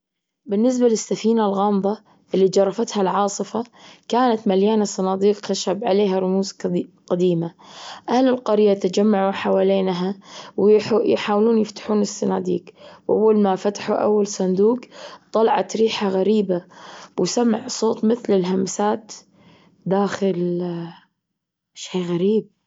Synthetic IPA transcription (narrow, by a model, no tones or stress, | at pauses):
bɪnːɪs̬balɪsːafiːnalɣɑːmðˤɑ | ʔɪlːid͡ʒɑrˤːɑfat̪halʕɑːsˤɨfakaːnat̪maljaːnasˤɑnɑːd̪iːqxaʃabʕaleːɦaɾˤʊmuːzqad̪iːmaʔahlɪlqɑɾɪjːat̪ad͡ʒamːaʕuħawaːleːnɦawjħaːwluːnjɪft̪ḁħuːnɪsːanaːd̪ḭːqwʔa̰wːalmafat̪ḁħuʔa̰wːalsˤɑnd̪uːqt̪ˤɑlɑʕɑ̰t̪ɾiːħaɣaɾiːbawsamːaʕsˤoːt̪ˤmɪθlɪlɦamsaːt̪ | d̪aːxɪl | ʃaːɣaɾiːb̚